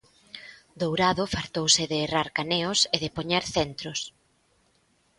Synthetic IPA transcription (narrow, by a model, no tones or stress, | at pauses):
d̪owɾaðofaɾt̪owsɪðeːraɾkaneʊseðepoɲeɾθent̪ɾʊs